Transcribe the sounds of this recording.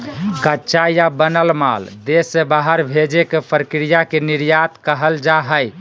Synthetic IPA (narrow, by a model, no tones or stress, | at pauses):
kətːʃajabənəlma̰ld̪esːebaɦəɾbʱed͡ʒekepʰəɾəkɾijakeniɾjat̪kəɦəld͡ʒaɦəj